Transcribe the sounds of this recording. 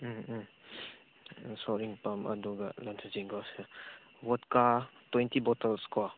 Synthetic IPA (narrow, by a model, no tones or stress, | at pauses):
sɔɾiŋpamɐ̰dɔɡɐ̰lantʰaziŋɡɔsɯ | wɔtkatwejntibɔtalskɔ